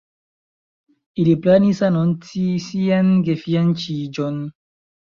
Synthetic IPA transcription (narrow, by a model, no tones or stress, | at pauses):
ileplanisanɔntisianɡefiant͡ʃid͡ʒɔn